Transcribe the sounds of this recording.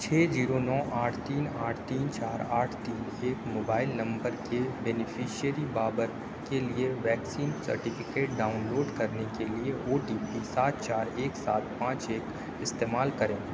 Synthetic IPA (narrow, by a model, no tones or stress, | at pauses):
t͡ʃʰɛːziːɾonɔːʔaːʈʰt̪iːnaːʈʰt̪iːnt͡ʃaːɾaːʈʰt̪iːneːkmoːbaːɪlnɐ̃mbəɾkebɛːnɪfʰiːʃiəɾibaːbəɾ | kelieʋɛːksiːnsɐ̰ɾʈɪfɪkeːʈ̚ɖaːʊnloːɖkɐɾnekelieoːɖiːpisaːt̪̚t͡ʃaːɾeːksaːt̪̚pãːt͡ʃeːk | ɪst̪eːmaːlkɐɾẽː